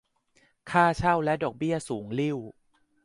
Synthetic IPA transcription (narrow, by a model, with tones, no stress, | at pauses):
kʰaː˥˩t͡ɕʰa˥˩wlɛ˦˥dɔː˨˩k̚bi˥˩əsuː˩˦ŋli˥˩w